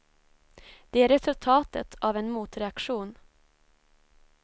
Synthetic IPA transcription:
d̪̥ɛæɾɛsɵlt̪ʰɑːt̪ə̰t̪ʰavɛnmuːt̪ɾɛakʂuːn

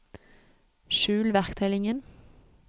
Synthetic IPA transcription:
ʃʉːlʋæʁkt̪ʰɛlɪŋən

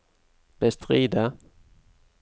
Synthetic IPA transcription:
b̥ɛst̪ʁiːd̪a

